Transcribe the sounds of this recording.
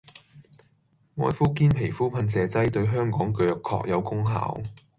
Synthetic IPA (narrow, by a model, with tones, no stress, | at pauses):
ŋɔː˨˧jfuː˥kiː˥npʰe˨˩jfuː˥pʰɐ˧nsɛː˨˧t͡sɐ˥jt̪ɵ˧ɥɦœː˥ŋkɔː˨˥ŋkɵ˨˧jkʰːɔ̰ː˧k̚jɐ˨˧wkʊ˥ŋɦa̰ː˨˥w